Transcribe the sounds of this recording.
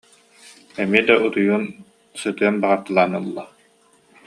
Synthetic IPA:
ɛmiɛd̪aʔut̪ujun | sɯt̪ɯɐnbaʁaɾt̪ɯlˠaːnɯlˠːɔ

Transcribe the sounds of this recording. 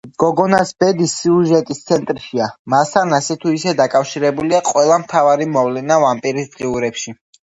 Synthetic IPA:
ɡ̥ɔɡɔnasbɛd̪isːiuʒɛt̪ʼist̪sʰɛnt̪ʼɾʃiamast̪ʰanasɛt̪ʰuisɛd̪akʼafʃiɾɛbuliaqʼwɛlˠamt̪ʰavaɾimɔvlɛnavampʼiɾisd̪ʁiuɾɛpʃi

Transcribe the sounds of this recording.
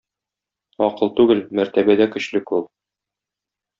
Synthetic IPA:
ɒqɤlˠt̪ʉɡɘlmæɾt̪æbæd̪ækɵ̆ɕlɘkulˠ

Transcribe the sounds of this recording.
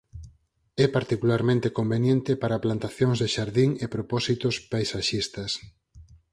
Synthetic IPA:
ɛpaɾt̪ikulaɾmẽnt̪ekombenjent̪ɪpaɾaplant̪aθjoŋzðeʃaɾðiŋepɾopɔsit̪ʊspajsaʃist̪ɐs

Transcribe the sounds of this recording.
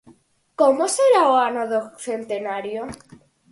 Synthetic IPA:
komoseɾaoanoðokθe̞nt̪e̞naɾjo

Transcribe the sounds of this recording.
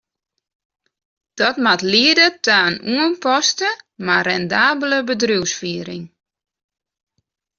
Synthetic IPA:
d̥ɔtmatliədətʰaːnuənpɔstəmarɛndaːbələbədruwsfiəɾɪ̰ŋ

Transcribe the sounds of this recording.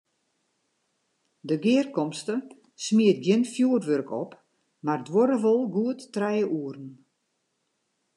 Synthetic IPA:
dəɡɪərkɔmstə | smiət̚ɡjɪnfjuərʋørkʰɔ̰p | mardwoɾəʋolˠɡuətːrɛjəʔuərn̩

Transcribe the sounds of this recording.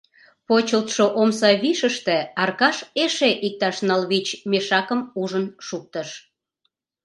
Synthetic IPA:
pot͡ɕəlt̪ʃoʔomsɑβiʃəʃt̪eɑrkɑʃeʃeʔik̚t̪ɑʃnɑlβit͡ɕmeʃɑkəmuʒənʃuk̚t̪əʃ

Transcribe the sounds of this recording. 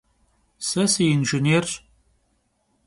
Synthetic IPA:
sɐsijɪnʒɪneːr

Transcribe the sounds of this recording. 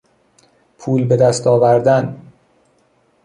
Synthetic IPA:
pʰuːlbe̞d̪æst̪ʰɒːvæɾd̪æn

